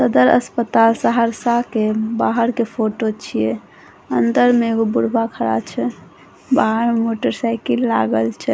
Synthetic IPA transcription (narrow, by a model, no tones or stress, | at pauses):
səd̪əɾə̰spət̪alsəɦəɾsakebaɦəɾkepʰoʈot͡ʃʰijɛ | ənd̪əɾmeɡobuɽbakʰəɾa̰t͡ʃʰɛ | baɦəɾmemoʈəɾsajkilːa̰ɡəlt͡ʃʰɛ